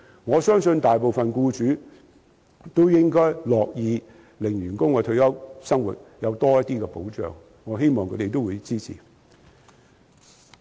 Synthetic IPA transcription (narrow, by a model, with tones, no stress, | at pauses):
ŋɔː˨˧sœː˥ŋsɵ˧nt̪aː˨jpo˨wfɐ˨nkuː˧t͡ʃyː˨˥ | t̪o˥wjɪ˥ŋkɔː˥jlɔː˨k̚jiː˨˧ | lɪ˨˩ŋjyː˨˩nkʊ˥ŋkɛː˨˧t̪ʰɵ˧ɥjɐ˥wsɐ˥ŋwṵ˨˩t̚jɐ˨˧wt̪ɔː˥jɐ˥t̚t̪iː˥kɛ˧po˨˥wt͡ʃœ̰ː˨˩ŋːɔː˨˧ɦe˥jmɔː˨ŋkʰɵ˨˧˥t̪e˨jt̪o˥wuː˨˧jt͡siː˥t͡sʰḭ˨˩